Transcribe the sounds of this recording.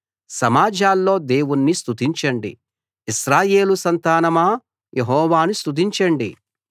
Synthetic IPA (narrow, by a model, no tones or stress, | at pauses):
sɐmaːd͡ʒʱaːlːo̞ːd̪e̞ːwunːist̪ut̪iɲt͡ʃɐɳɖḭ | iʃɾaːje̞ːlusɐnt̪aːnɐmaː | jeɦɔːʋaːnust̪ud̪̬iɲt͡ʃɐɳɖi